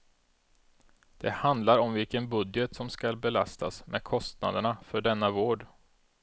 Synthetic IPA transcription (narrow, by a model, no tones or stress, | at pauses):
d̪̥ɛhand̪laɾɔmvɪlkənbɵd̪jət̪sɔmskalbɛla̰st̪ʰa̰smʔɛ̰d̪kʰɔst̪na̰d̪əɳafœɖɛnːavoːɖ